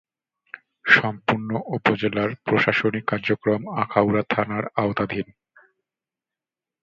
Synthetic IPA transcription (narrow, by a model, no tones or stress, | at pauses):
ʃɔmpuɾnoʔupod͡ʑelaɾpɾoʃaʃonikːaɾd͡ʑokɾomakʰawɾat̪ʰanaɾaot̪ad̪ʱin